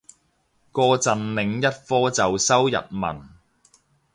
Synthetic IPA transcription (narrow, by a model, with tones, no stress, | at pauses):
kɔː˧t͡sɐ˨nlɪ˨˧ŋjɐ˥t̚fɔː˥t͡sɐ˨wsɐ˥wjɐ̰˨t̚mɐ̰˨˩n